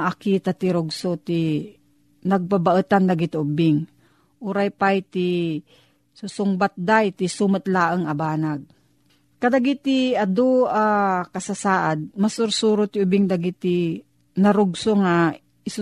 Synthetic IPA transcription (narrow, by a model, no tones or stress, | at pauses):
ʔakiːt̪at̪ɪɾʊɡsot̪i | nɐɡ̚pabaʔɨt̪and̪aɡɪt̪ʔʊbɪŋ | ʔʊɾajpajt̪ɪ | susʊŋbat̪̚d̪ajt̪ɪsumat̪laːʔəŋɐbaːnaɡ̚ | kad̪aɡɪt̪ɪad̪oakasasaːʔad̪̚masʊɾsuɾʊt̪ɪʊbɪŋd̪aɡɪt̪ɪ | nɐɾʊɡsoŋa | ɪs